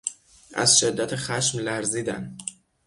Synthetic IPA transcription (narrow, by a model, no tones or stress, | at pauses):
ʔæ̰zʃe̞d̪ːæt̪ʰexæʃmlæɾziːd̪æ̰n